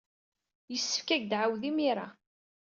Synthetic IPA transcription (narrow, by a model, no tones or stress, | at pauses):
jəsːə̥fkæʝd̪ʕawðimiɾˤa